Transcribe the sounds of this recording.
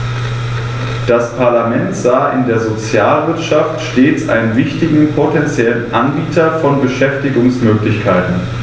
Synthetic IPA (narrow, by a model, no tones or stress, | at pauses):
d̥aspʰaɐlamɛntz̥aːʔɪ̰ndeːɐzot͡sjaːlvɪɐtʃaftʃteːt͡sʔa̰ɪnənvɪçtɪɡŋ̩pʰotʰɛnt͡sjɛlənʔanbiːtʰɐfɔnbəʃɛftɪɡʊŋsmøːklɪçkʰaɪtn̩